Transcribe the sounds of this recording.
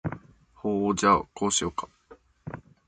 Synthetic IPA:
hoːod͡ʑaokoːɕiokḁ

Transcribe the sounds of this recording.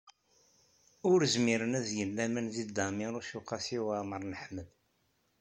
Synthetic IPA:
ʊɾəzmiɾənæðjəlːæmənzid̪d̪ɑmɪɾˤʊʃuqːɑsiwaməɾˤnəħməð

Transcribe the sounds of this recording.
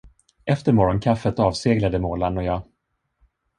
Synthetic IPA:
ɛft̪əɾmɔɾɔnkʰafːət̪ɑːvseːɡlad̪əmoːlanɔjɑː

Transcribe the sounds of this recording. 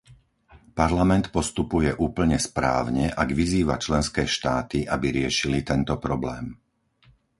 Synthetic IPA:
paɾlamɛnt̪pɔst̪upujɛʔuːpl̩ɲɛspɾa̰ːʊɲɛʔaɡʋiziːʋa̰t͡ʃlɛnskɛːʃt̪aːt̪iʔabiɾɪɛʃilit̪ɛnt̪ɔpɾɔblɛːm

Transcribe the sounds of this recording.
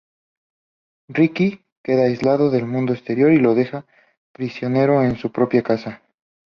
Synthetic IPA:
riki | ke̞ðaːjzlaðo̞ðe̞lmũnd̪oest̪e̞ɾjo̞ɾilo̞ðe̞xa | pɾisjo̞ne̞ɾo̞ensupɾo̞pjakasa

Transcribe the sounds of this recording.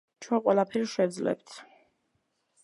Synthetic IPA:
t͡ʃʰwɛqʼwɛlapʰɛɾʃɛd̪zlɛ̰pt̪ʰ

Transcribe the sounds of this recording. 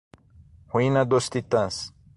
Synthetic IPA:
hwinad̪ost̪it̪ãs

